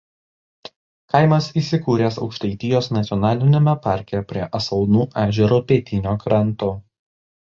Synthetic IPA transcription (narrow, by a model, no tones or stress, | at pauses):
kɐɪmɐsiːˑsʲɪkuːɾʲeːsɒʊkʃt̪ɐɪt̪ʲɪjoːsnɐt̪sʲɔnɑːlʲɪnʲomʲɛpɑˑɾʲkʲɛpʲɾʲiɛʔɐsɐlˠnuːʔæːʒʲɛɾuːpʲeːt̪ʲɪnʲoːkɾɐnˑt̪oː